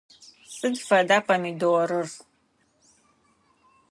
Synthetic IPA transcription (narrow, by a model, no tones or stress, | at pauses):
sʼɨdfɐdaːpʰɐmidowɔɾɨr